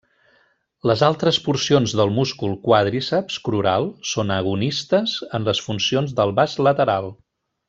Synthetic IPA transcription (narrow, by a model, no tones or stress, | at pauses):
ləzalˠt̪ɾəspuɾsionzðəlˠmuskulˠkwaðɾisəpskɾuɾalˠsonəɣunist̪əzənləsfunsionzðəlˠβazlət̪əɾalˠ